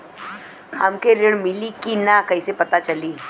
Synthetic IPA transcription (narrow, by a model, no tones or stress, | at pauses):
hɐmkeɾɪɽmɪlikinakɐɦisepɐt̪at͡ʃɐliː